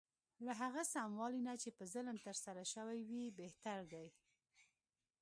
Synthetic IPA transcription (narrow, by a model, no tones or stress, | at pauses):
laɦaɣasamwɑlinat͡ʃepəzələnt̪əɾsaɾaʃəwajwibeht̪aɾd̪aj